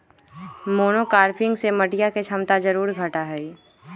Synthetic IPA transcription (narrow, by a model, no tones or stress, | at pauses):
moːnokaːɾpʰɪ̃ŋɡseməʈijaket͡ʃʰɐmt̪ad͡ʒəɾuːɾɡʱəʈaɦɛi